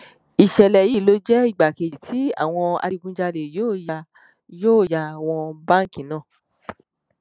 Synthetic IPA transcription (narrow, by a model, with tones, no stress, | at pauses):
i˨ʃɛ˨lɛ˨ji˦˨lo˦d͡ʒɛ˦i˦˨ɡ͡ba˨ke˨i˨tʰi˨˦a̰˦˨w̃ɔ̃˧a̰˧ɾi˧ɡũ˧d͡ʒa˧le˨joː˦˨ja˧ | joː˦˨ja˧˨w̃ɔ̃˧bã˦ŋ˦˨kĩ˨nã˦˨